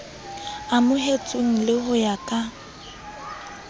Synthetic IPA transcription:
amʊɦet͡sʼʊŋ̩lɪhʊjakʼa

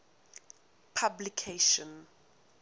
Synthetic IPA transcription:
pʰablikʰeʃɔ̃n

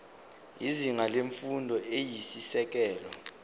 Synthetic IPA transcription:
iziŋaleɱfundʱɔejisisɛk̬ɛːlɔ̰

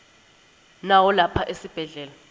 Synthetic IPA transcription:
nawɔlapʰaʔesib̥ʱɛɮɛːla

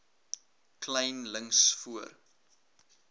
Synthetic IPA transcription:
klɛjnləŋsfuər

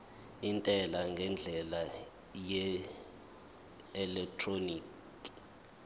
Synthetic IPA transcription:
intʼɛlaŋɡʱɛnd͡ɮʱɛla | jɛ | ɛlɛk̚tʰroniːk | i

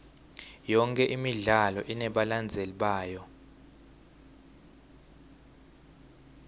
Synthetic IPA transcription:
jɔŋkʼɛʔimiɮalɔʔinɛɓaland͡zʱeliɓaːjɔ

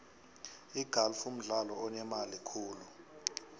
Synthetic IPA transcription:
iɡ̥ʱalfum̩ɮalɔɔnɛmalikʰuːlu

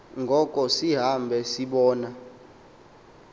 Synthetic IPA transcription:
ŋɡʱɔkʼɔsiɦambʱɛsiɓɔːna

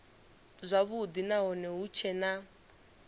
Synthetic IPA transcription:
zʷaβud̪inaɦɔnɛɦut͡ʃʰɛna

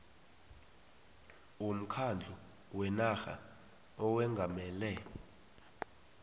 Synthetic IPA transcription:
wom̩kʰand͡ɮʱu | wɛnaxa̰ | ɔwɛŋɡʱamɛːlɛ

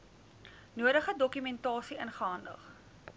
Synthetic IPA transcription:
nuəɾəχədɔkymɛntɑːsiʔənχəɐndə̰χ

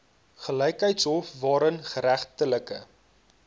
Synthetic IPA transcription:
χələjkɦəjtsɦɔfvɑːɾənχəɾæχtələkə̰

